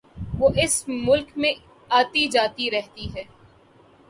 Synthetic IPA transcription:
ʋoːʔɪsmʊlkmẽ | aːt̪id͡ʒaːt̪iɾɛɦt̪iɦɛː

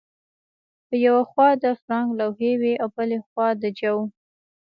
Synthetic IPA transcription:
pəjawaxwɑd̪əfɾɑŋɡlawɦeweʔawbəlexwɑd̪əd͡ʒaw

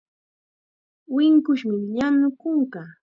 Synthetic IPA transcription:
wɪŋkʊʃmɪʎanʊkʊɴkɑː

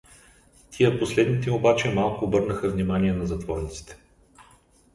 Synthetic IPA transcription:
t̪ʰijəposlɛd̪nit̪ɛobat͡ʃɛmalˠkʊːbɤɾnəxəvnimaniɛnɐzɐt̪vɔɾnit̪si̥t̪ɛ̥

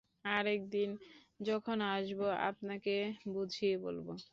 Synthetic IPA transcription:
aɾɛk̚d̪in | d͡ʑɔkʰonaʃboa̰pnakebud͡ʑʱiebo̰lbo

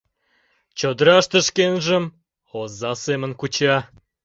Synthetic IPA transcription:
t͡ɕod̪əɾɑʃt̪ə̆ʃkenʒəm | ozːɑsemə̆nkut͡ɕɑ

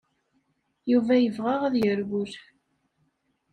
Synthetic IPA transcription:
juvæjəvʁaʁaðjəɾɡʊɾ

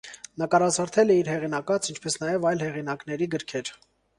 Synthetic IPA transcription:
nəkɑɾɑzʰɑɾt̪ʰɛlɛiɾɦɛʁinɑkɑt͡sʰint͡ʃʰpɛsnɑjɛvɑjlhɛʁinɑknɛɾiɡəɾkʰɛɾ

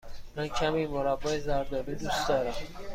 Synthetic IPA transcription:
mancʲʰæmiːmoɾabːɒːjezæɾd̪ɒːɾiːd̪uːsd̪ɒːɾæm

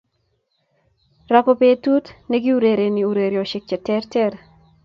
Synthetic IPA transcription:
rapɔpetutneɡɪuɾeɾeniuɾeɾjɔʃɪk̚t͡ʃɛtɛrtɛɾ

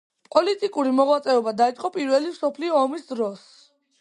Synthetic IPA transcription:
pʼɔlit̪ʼikʼuɾimɔʁwat̪sʼɛɔbad̪ait̪sʼqʼɔpʼiɾvɛlimsɔpʰliɔːmisd̪ɾɔs

